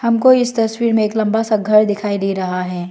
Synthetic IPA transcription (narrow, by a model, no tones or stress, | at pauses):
hɐmkoɪst̪ɐswiːɾmẽeːklɐ̃mbasaɡʱɐɾd̪ɪkʰaːiliɾɐɦaɦɛː